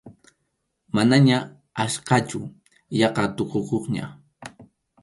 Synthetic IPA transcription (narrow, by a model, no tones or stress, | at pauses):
manaɲa | aʃqɑt͡ʃʊ | jɑqɑt̪oqoqoχɲa̰